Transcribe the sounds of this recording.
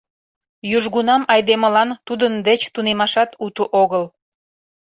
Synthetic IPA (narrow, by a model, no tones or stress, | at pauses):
jyʒɣunɑmɑjd̪eməlɑnt̪ud̪ənd̪et͡ɕt̪unemɑʃɑt̪ut̪uʔoɣəl